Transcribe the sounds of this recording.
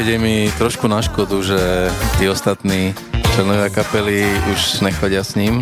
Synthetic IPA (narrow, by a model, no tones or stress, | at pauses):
ɛɟɛmit̪ɾɔʃkunaʃkɔd̪uʒɛt̪iːɔst̪at̪niː | t͡ʃlɛnɔʋɪakapɛliuʒɲɛxlaɟɪasɲiːm